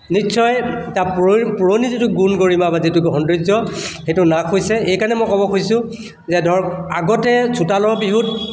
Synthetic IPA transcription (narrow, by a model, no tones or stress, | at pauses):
nisɔjtappuɹonizitʊɡunɡoɹimabazitʊɡɦɔndɹizɔxejtʊnakʰojsɛejkanɛmɔjkɔbɔkʰojsʊ̃ | zɛdʱɔɹaɡɔtɛsʰutalɔɹbiɦut̚